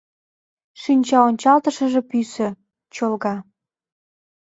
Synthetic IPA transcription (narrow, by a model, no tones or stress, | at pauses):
ʃynʲt͡ɕɑonʲt͡ɕɑlt̪ɤ̆ʃə̆ʒĕpysə̆ | t͡ɕolɣɑ